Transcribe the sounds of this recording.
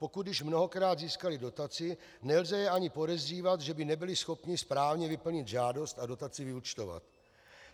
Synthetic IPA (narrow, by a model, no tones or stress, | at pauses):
po̞kud̪dɪʃmno̞ɦokɾaːd̪ziːskalɪdo̞t̪at͡sɪ | nɛlzɛjɛaɲɪpo̞ɾɛziːvat̪ʒɛbɪnɛbɪlɪsxo̞pɲɪspɾaːvɲɛvɪpl̩ɲɪd̪ʒaːdo̞st̪ado̞t̪at͡sɪvɪut͡ʃt̪o̞va̰t̪